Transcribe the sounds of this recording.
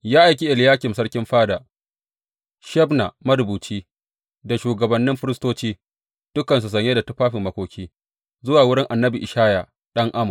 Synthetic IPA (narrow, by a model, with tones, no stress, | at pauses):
jaː˦ʔa˨jkʲi˦ʔɪ˨ljaː˦kʲɪ˨msɐ˦ɽkʲɪ˦mɸaː˦da˨ | ʃɐ˦bna˨mɐ˦ɾʊ˨buː˨t͡ʃiː˦ | da˨ʃuː˨ɡɐ˨bɐ˨nːɪ˦mɸɪ˦ɾɪ˦stoː˦t͡ʃiː˦ | d̥ʊ˦kɐ˨ns̬u˨s̬ɐ˦˨ɲje˦da˨tʊ˦ɸaː˦ɸɪ˨mːɐ˨kʷoː˨kʲiː˦ | zʊ˦waː˨wʊ˦ɽɪ˦ŋʔa˨nːɐ˦bi˨ʔɪ˨ʃaː˦ja˨ | ɗɐ˦ŋʔa˦mɐ˨